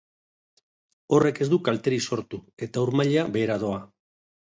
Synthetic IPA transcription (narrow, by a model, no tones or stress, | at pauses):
o̞re̞ke̞zd̪ukalt̪e̞ɾiso̞ɾt̪ue̞t̪auɾmaʎaβe̞ːɾað̞o̞a